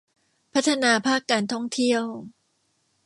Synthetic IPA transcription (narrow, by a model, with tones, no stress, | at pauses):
pʰa˦˥t̪ʰːa˧naː˧pʰaː˥˩kːaː˧nt̪ʰɔ˥˩ŋt̪ʰi˥˩əw